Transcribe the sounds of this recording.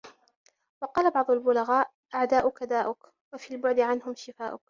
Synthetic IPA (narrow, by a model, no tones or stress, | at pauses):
wɑqɑːlabɑʕd̪ˤʊlbʊlaɣaːʔ | ʔaʕd̪aːʔʊkad̪aːʔʊk | wafiːlbʊʕd̪ɪʕanhʊmʃɪfaːʔʊk